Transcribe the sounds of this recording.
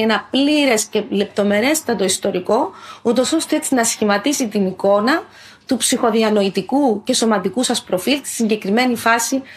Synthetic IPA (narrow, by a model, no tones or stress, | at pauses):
enɐpliɾe̞sce̞le̞p̚t̪o̞me̞ɾe̞st̪ɐt̪o̞ist̪o̞ɾiko̞ut̪o̞so̞st̪e̞et͡sinɐsçimɐt̪isit̪iniko̞nɐ | t̪upsixo̞ðiɐno̞it̪ikuce̞so̞mɐt̪ikusɐspɾo̞filt̪i̥siɲɟe̞kɾime̞nifɐsi